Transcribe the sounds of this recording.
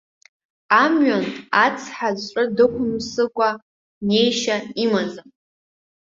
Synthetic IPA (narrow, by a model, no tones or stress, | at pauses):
amɥantʼat͡sʰħazʷʈ͡ʂʷʼɨdɨkʷʰʊmsɨkʷʼa | ne̞jʃaimazam